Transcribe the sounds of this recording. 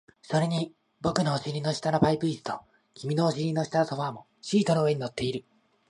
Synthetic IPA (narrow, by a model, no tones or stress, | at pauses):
so̞ɾe̞ɲ̟i | bo̞kɯ̟no̞ːɕiɾʲino̞ɕi̥t̪anopaipɯ̟isɨ̥t̪o | kʲimʲino̞ːɕiɾʲino̞ɕi̥t̪anot̪oβamo̞ | ɕiːt̪o̞no̞ɯ̟e̞ɲino̞t̪ʰːe̞iɾɯ̟